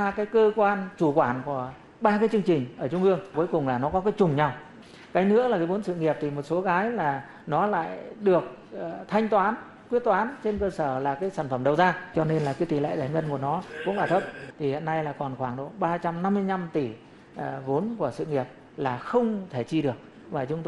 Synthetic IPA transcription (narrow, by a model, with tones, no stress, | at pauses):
a˧kaː˨˦jkəː˧kwaː˧nt͡ɕu˧˩kwaː˧˩nku˧˩ə | ɓaː˧kaː˨˦jt͡ɕɨ˧əŋt͡ɕï˨˩ŋ̟ʔəː˧˩t͡ɕʊ˧ŋ͡mʔɨ˧əŋku˨˦jkʊ˨˩ŋ͡mlaː˨˩nɔ˨˦kɔ˨˦kaː˨˦jt͡ɕʊ˨˩ŋ͡mɲa˧w | kaː˨˦jnɨ̰˧˥əlaː˨˩kaː˨˦jvo˨˦nsɨ̰˧˨ŋi˨˩əp̚t̪ʰi˨˩mo˨˩t̚so˨˦ɣaː˨˦jlaː˨˩ | nɔ˨˦la̰ː˧˨jɗɨ˨˩ək̚ː | t̪ʰa˧jŋ̟t̪waː˨˦n | kwət̚t̪waː˨˦nt͡ɕe˧nkəː˧səː˧˩laː˨˩kaː˨˦jsaː˧˩nfə˧˩mɗə˨˩wzaː˧t͡ɕɔ˧ne˧nlaː˨˩kaː˨˦jt̪i˧˩lḛ˧˨jzaː˧˩jŋə˧nku˧˩ənɔ˨˦kʊ̰˧˥ŋ͡mɓaː˧˩t̪ʰə˦˥p̚t̪ʰi˨˩hḭ˧˨ənːa˧jlaː˨˩kɔ˨˩nxwaː˧˩ŋɗo̰˧˩ɓaː˧t͡ɕa˧mna˧mːɨ˧əjɲa˧mt̪i˧˩ | vo˨˦nku˧˩əsɨ̰˧˨ŋi˨˩əp̚ | laː˨˩xə˧wŋ͡mt̪ʰe˧˩t͡ɕi˧ɗɨ˨˩ək̚ | vaː˨˩t͡ɕʊ˨˦ŋ͡mt̪ː